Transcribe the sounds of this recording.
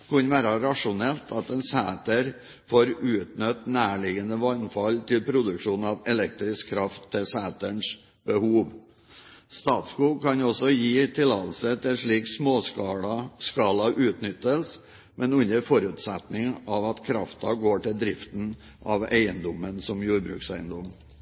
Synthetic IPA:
kʰɑnʋæːɾɑɾɑʂʊnɛlt̪ʰɑt̪ɛnsæːt̪əɾ | foːɾʉːt̪nœt̪næːɭɪɡənəʋɑnfɑlt̪ʰɪlpʰɾʊd̪ʉkʂuːnɑʋɛlɛk̚t̪ɾɪskʰːɾɑft̪ʰːɪlsæːt̪əɳʂ | b̥əhuːʋ | st̪ɑːt̪skuːkʰɑnɔsɔjiːt̪ʰɪlɑːt̪l̩sət̪ʰɪʂɭiːksmoːskɑɑskɑːlɑʔʉːt̪nʏt̪ːəls | mɛnʉnəɾfɔɾʉːt̪sɛt̪nɪŋʔɑʋɑt̪kʰɾɑft̪ɑɡoːʈɪld̪ɾɪft̪n̩ | ʔɑʋeɪənd̪ɔmənsɔmjuːɾbɾʉ̰ːksæɪənd̪ɔm

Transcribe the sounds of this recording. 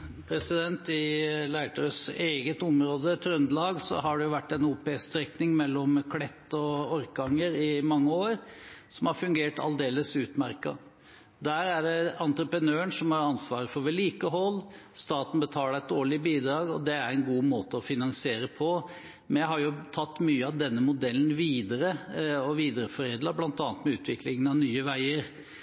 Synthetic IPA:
pʰɾɛsɪd̪ɛnt̪ɪlæɪʈ̪ɑɾəseːɡət̪ɔmɾoːd̪ət̪ʰɾœnd̪lɑːɡsɔ̰ɦɑɖɛjʊʋæʈːɛnuːpeːst̪ɾɛknɪŋmɛlːɔmkʰlɛt̪ːɔɔɾkɡɑŋːəɾɪmɑŋːəoːɾsɔmhɑɾfʉŋɡeːʈʰɑ̰ld̪eːləsʉːt̪mæɾkɑ̰ | d̪æːɾæɖɛɑnt̪ɾəpɾənøːəɳʂɔmhɑɾɑnsʋɑːɾəfɔɾʋɛliːkəɦɔlː | st̪ɑːt̪n̩bət̪ʰɑːlæɛt̪̚d̪oːɭɪbiːd̪ɾɑːɡɔ̰d̪ɛæɾɛnɡuːmoːt̪əɔfɪnɑŋsɪeːɾəpʰɔ | mɛnjæhɑɾjʊt̪ʰɑt̪ːmyːəɑʋd̪ɛnːəmʊd̪ɛlːn̩ʋiːd̪əɾəɔʋiːd̪əɾəfɔɾeːd̪lɑblɑnt̪ɑːnt̪mɛʉːt̪ʰʋɪklɪŋənɑʋnyːəʋæɪəɾ

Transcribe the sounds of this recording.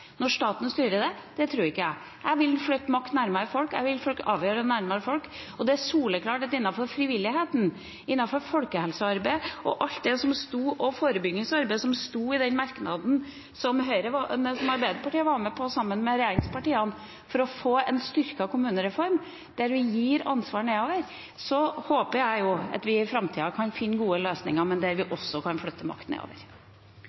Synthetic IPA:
nɔʂt̪ɑːt̪n̩st̪yːɾəd̪ɛd̪̥ɛt̪ʰɾuːɾɪkːəjæ̰ɪ | ʔæɪʋɪlnflœʏt̪ːmɑkt̪næɾməɾəfɔlkæ̰ɪʋɪlfɔlkɑːʋjøːɾənæɾməɾəfɔlk | ɔd̪ɛæsuːləkʰlɑːʈɛt̪ːɪnːɑfɔɾfɾɪʋɪlːɪɦeːt̪n | ɪnːɑfɔɾfɔlkəhɛlsəɑɾbæɪʔɔ̰ʔɑlt̪̚d̪ɛsɔmst̪uːʔɔfoːɾəbʏɡnɪŋsɑɾbæɪsɔmst̪uːɪd̪ɛnmɑɾknɑd̪n̩ | sɔmɦœɪɾəʋ̪sɔmɑɾbæɪd̪əpʰɑʈiːəʋɑːɾməpʰɔsɑmːənmɛɾɛjeːɾɪŋspɑʈiːɑn | fɔɾɔfoːɛnst̪ʏɾkɑkʰʊmʉːnəɾɛfɔɾm | d̪̥æɾʋɪjiːɾɑnsʋɑːɾɳeːoːʋəɾ | sɔhoːpəjæɪjʊɑ̰t̪ʋɪɪfɾɑmt̪ʰiːɑkʰɑnfɪnːɡuːəløːsnɪ̰ŋɑmɛnd̪æɾʋɪʔɔsːɔkʰɑnfɭʏt̪ːəmɑ̰kt̪nḛːo̰ːʋə̰ɾ

